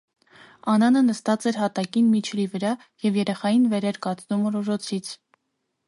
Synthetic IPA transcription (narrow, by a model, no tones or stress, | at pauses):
ɑnɑnənəst̪ɑt͡sɛɾɦɑt̪ɑkinmit͡ʃʰlivəɾɑ | jɛvjɛɾɛχɑjinvɛɾɛɾkɑt͡snumrɔʒɔt͡sʰit͡sʰ